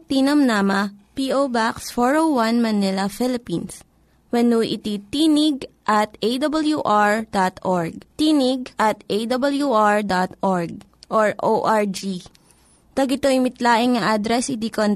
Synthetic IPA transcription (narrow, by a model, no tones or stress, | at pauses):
t̪inɐmnamɐpiʔowbaksfoɹowwɐnmɐnɪlɐfɪlɪpins | wɛnuʔɪ̰t̪it̪iːnɪɡ̚ʔɐt̪ejd̪ɐbɐljuʔaɹd̪at̪ʔoɹɡ̚t̪iːnɪɡʔɐt̪ʔejd̪ɐbɐljuʔaɹd̪at̪ʔɔɹɡ̚ | ʔoɹʔoʔaɹd͡ʒi | t̪ɐɡɪt̪oʔɪmɪt̪laːʔɪŋŋɐʔad̪ɾɛsɪd̪ikon